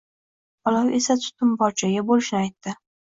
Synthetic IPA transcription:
ɒlawe̞sat̪ʰʊ̥t̪ʊmbɒɾt͡ʃʰaɡʲabolɪʃnɪajt̪ːɪ

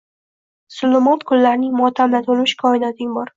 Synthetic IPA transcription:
sʊlːʊmɒt̪kʰʊlːaɾnɪŋmɒt̪ʰamlat̪olˠmɪʃkʰɒɪnat̪ʰɪŋbɒɾ

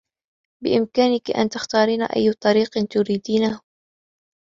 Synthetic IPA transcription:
bɪʔɪmkaːnɪkʔa̰nt̪axt̪ɑːɾiːnaʔa̰jːt̪ˤɑɾiːqnt̪ʊɾiːd̪iːnahʊ

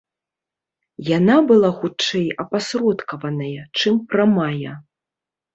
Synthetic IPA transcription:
janabɨlˠaxut͡ʂɛjɐpasɾɔt̪kɐvɐnɐjɐt͡ʂɨmpɾamajɐ̰

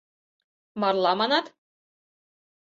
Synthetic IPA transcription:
mɑɾlˠɑmɑnɑt̪

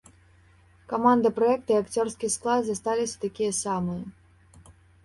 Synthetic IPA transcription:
kamand̪ɨpɾaɛk̚t̪ɨiakt͡sʲɔrskʲisklˠad̪zast̪alʲisʲɐ̥t̪akʲijɐsamɨjɐ

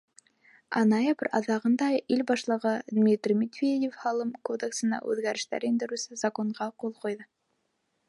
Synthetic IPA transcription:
ɑ̰nɑjebɾɑ̰ðɑʁɤ̆nd̪ɑilbɑʃlˠɤ̆ʁɤd̪mʲit̪rʲmʲit̪vʲedʲefhɑlˠɤmkod̪eksɤ̆nɑ̰ʔʉ̰ðɡæɾɘ̆ʃt̪æ̰ɾind̪ɘ̆ɾʉsɘzɐko̞ɴʁɑqolˠqojðɤ

